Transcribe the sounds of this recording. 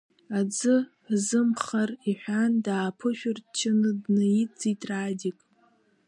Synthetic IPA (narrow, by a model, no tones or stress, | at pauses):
ad͡zɨ | zɨmχariħʷᶣandaːpʰɨʃᶣʊrt͡ʃʰɪnɨdnɨjid͡zitʼradʲikʼ